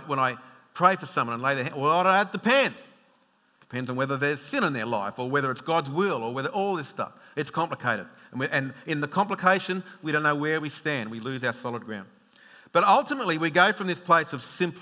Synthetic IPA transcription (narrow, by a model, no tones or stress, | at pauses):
ʔwə̃ñaɪ | pʰɹ̥eɪfə˞sʌ̃mwʌ̃nə̃nleɪðə˞æ̃nwɾɨt̚d̥ɨpʰɛ̃ndz̥ | d̥ɨ̥pʰɛ̃ndzn̩wɛðə˞ðə˞z̥sɪ̃ñɨ̃nðə˞la̰ɪfə˞wɛðə˞ɨtsɡ̥ɑdzwɪlˠə˞wɛðə˞ʔɔlˠðɪsstʌ̰fɨtskʰɑ̃mpləkʰeɪɾɨ̰ɾ̩ʔɨ̃nɨ̃nðɨkʰɑ̃mpləkʰeɪʃɨ̃nwiɾõʊ̃nːoʊwə˞wistæ̃ndwilʉzaʊə˞sɑlˠəd̚ɡɹã̰ʊ̃nd̥ | b̥ʌɾʌlˠtɨmətˡliwiɡoʊfɹʌ̃mðɪspʰl̥eɪsʌv̥sɪ̃mpʰ